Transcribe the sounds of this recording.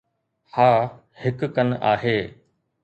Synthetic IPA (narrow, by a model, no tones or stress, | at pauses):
haː | hɪkkəna̰ːɦeː